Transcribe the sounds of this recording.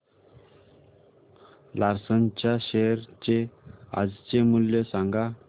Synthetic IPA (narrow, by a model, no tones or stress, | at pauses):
laɾsənt͡ɕjaɕeɾt͡ɕea̰d͡zt͡ɕemuljəsaŋɡa